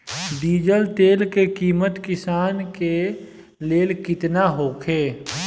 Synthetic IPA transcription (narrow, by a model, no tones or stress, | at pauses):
d̪iːd͡ʒəlt̪eːlkekiːmət̪kɪsaːnke | leːlkɪt̪naɦoːkʰeː